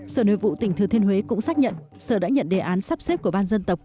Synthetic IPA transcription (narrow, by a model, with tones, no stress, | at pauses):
səː˧˩no̰˧˨jvṵ˧˨t̪ï˩ŋ̟t̪ʰɨ˨˩t̪ʰi˧nɦwe˨˦kʊ̰˧˥ŋ͡msaː˦˥k̚ɲə̰˧˨n | səː˧˩ɗa̰ː˧˥ɲə̰˧˨nɗe˨˩ʔaː˨˦nsaː˦˥p̚se˦˥p̚ku˧˩əɓaː˧nzə˧nt̪ə˨˩wk͡p̚